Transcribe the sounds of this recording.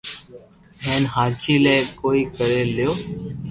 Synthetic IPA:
ɦeːnɦaːɾt͡ʃiːleːkoːiːkəɾeːljoː

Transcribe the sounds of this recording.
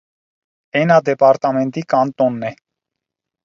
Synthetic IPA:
ɛnɑd̪ɛpɑɾt̪ɑmɛnt̪ikɑnt̪ɔnːɛ

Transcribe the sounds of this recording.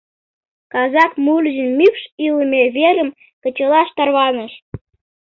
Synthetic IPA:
kɑzɑkmulʲʒənmykʃiləmeβeɾəm | kə̆t͡ɕəlɑʃt̪ɑrβɑnəʃ

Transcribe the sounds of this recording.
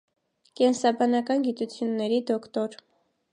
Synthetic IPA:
kɛnsɑbɑnɑkɑnɡit̪ut͡sʰjunːɛɾid̪ɔkt̪ɔɾ

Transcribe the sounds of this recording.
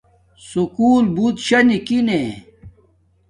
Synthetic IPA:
sukuːlbut̪ɕɐnikine

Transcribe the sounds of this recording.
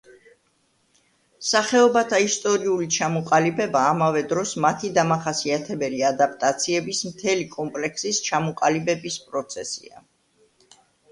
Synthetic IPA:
saχɛɔbat̪ʰaist̪ʼɔɾiulit͡ʃʰamɔqʼalibɛbaːmavɛd̪ɾɔsmat̪ʰid̪amaχasiat̪ʰɛbɛliad̪ap̚ʼt̪ʼat̪sʰiɛbismt̪ʰɛlikʼɔmpʼlɛkʰsist͡ʃʰamɔqʼalibɛbispʼɾɔt̪sʰɛsḭa̰

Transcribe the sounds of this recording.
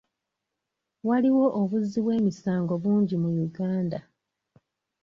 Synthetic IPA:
waliwo̞ʔoβuzːiβwe̞ːmisaːŋɡo̞βuːɲɟimujuɡaːnda

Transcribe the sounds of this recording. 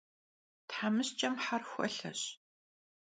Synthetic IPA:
tħamɨst͡ʃʼɐmħarxʷɐ̰ɬɐ̰ɕ

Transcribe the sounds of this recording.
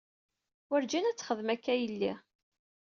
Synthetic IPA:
wəɾd͡ʒænæt͡sːχəðmækːæjəlːi

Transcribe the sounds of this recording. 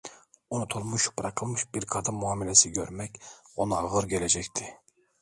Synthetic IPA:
onut̪ʰolˠmuʃpʰɾɑqʰɨlˠmɯʃbiɾkʰɑd̪ɑmuɑːmilɛsɪɡʲøɾmɛkʲonɑʁɯɾɡʲelɛd͡ʒɛkʲt̪ʰɪ

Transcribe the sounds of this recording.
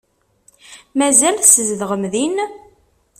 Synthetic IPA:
mæzælsəzðʁəmðin

